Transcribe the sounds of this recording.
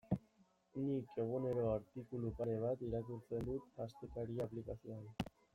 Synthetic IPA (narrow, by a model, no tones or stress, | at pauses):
nikʰe̞ɣ̞une̞ɾo̞aɾt̪ikulupaɾe̞β̞at̪iɾakuɾt͡se̞nd̪ut̪ast̪ekaɾiaplikasioan